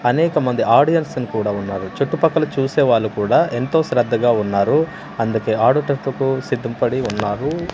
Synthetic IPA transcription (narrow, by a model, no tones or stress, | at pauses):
ɐnɛːkɐmɐnd̪iaːɾɽijɐnsɐnikuːɽaːunːaːɾut͡ʃoʈːupɐkːɐlut͡ʃuːsɛːʋaːɭːukuːɽaːʔent̪o̞ːsɾɐd̪ːɐɡaːunːaːɾu | ɐnd̪uke̞ːaːɽuʈɐpːɐkusid̪ʱːɐmpɐɽiunːaːɾu